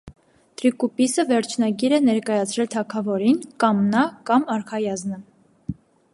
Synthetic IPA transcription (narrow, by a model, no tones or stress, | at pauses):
t̪ʰɾikupisəvɛɾt͡ʃʰnɑɡiɾɛnɛɾkɑjɑt͡sʰɾɛlt̪ʰɑkʰɑvɔɾinkɑmnɑkɑmɑɾkʰɑjɑznə